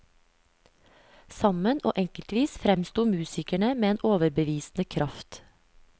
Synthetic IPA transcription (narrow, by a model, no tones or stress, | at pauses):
sɑmənʔo̰ːʔɛŋkəlt̪ʋiːsfɾɛmst̪uːmʉːsɪkæɳəmeːeːnʔoːʋəɾbəʋiːsn̩əkʰɾɑft̪